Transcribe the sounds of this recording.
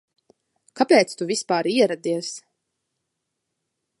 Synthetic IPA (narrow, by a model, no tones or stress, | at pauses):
kapʲɛːt̪st̪uvʲispaːɾiɛɾad̪iɛs